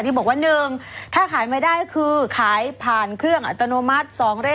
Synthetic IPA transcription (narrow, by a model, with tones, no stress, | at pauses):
i˥˩bɔː˨˩k̚wa˥˩nːɯ˨˧ŋt̪ʰaː˥˩kʰaː˨˩˦jmaː˧˩jdaː˥˩jkʰɯː˧kʰaː˩˦jpʰaː˨˩nkʰɾɯ˥˩əŋʔa̰˨˩t̪ːa˧noː˧ma˦˥t̪̚sɔː˩˦ŋɾe˥˩